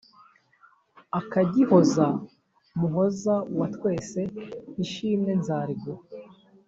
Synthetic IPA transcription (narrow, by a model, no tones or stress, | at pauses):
akaɟiho̞za | muɦo̞zawatwe̞ːse̞niʃiːmŋe̞nzaːɾiɡo